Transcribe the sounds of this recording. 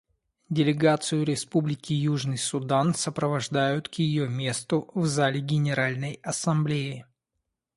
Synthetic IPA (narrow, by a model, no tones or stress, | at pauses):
dʲɪlʲɪɡat̪sɨjʊɾʲɪspublʲɪkʲɪjuʐnɨjsʊd̪ansəpɾəvɐʐd̪ajʊt̪kjɪjomʲe̞st̪ʊvzalʲɪɡʲɪnʲɪɾalʲnəjɐsɐmblʲeɪ